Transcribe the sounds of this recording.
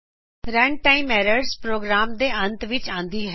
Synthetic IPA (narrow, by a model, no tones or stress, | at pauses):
ɾɐɳɖ̚ʈaːimɛːɾəɾzpɾoːɡɾaːmd̪eːʔɐ̃nt̪ʋɪt͡ɕãːnd̪iɦɛ